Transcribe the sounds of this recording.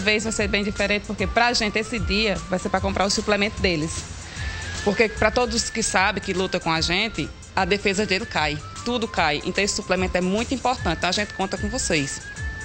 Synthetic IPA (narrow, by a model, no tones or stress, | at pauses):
vezvajseɾbẽj̃d̪ifɛɾẽnt̪ɪ̥poɾkepɾɐːʒẽnt̪ɪesɪd̪iɐvajseɾpɾɐkõpɾaɾʊsuplemẽnt̪ʊd̪elɪs | poɾkepɾɐt̪od̪ʊzskɪsabẽkɪlut̪ɐkõaʒẽt̪ɪ | ɐd̪efezɐd̪elɪkaj | t̪ud̪ʊkajḛ̃nt̪esɪ̥suplemẽnt̪ʊɛmũj̃t̪ʊĩpoɾt̪ɐ̃t̪ɪt̪w̃aʒẽnt̪ɪ̥kõt̪ɐkõvosejs